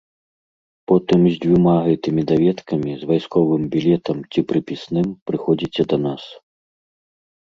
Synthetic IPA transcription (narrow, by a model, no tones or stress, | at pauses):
pɔt̪ɨmzʲd͡zʲvʲumaɣɛt̪ɨmʲid̪avʲɛt̪kɐmʲizvajskɔvɨmbʲilʲɛt̪ɐmt͡sʲipɾɨpʲisnɨmpɾɨxɔd͡zʲit͡sʲɛd̪ɐnas